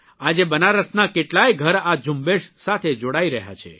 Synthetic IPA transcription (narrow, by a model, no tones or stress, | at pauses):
ad͡ʒebənaɾəsnakeʈlajɡʱəɾad͡ʒʱumbeʃsat̪ʰed͡ʒoɽaiɾəɦja̰t͡ʃʰḛ